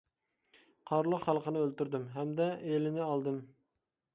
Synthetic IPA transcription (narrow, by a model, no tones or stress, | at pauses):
qʰɑɾlˠəqχælˠqʰənɨølt̪yɾd̪ɪmɦɛmd̪ɛelɪnɪɑlˠd̪ɨm